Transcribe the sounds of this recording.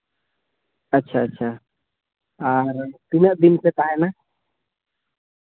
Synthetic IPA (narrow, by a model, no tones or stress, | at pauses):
ətːʃʰaətːʃʰa | aɾt̪inəʔd̪inpek̪aɦɛna